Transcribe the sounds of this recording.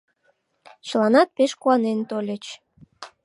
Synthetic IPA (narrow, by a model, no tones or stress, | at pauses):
t͡ɕəlɑnɑt̪̚peʃkuɑnent̪olʲət͡ɕ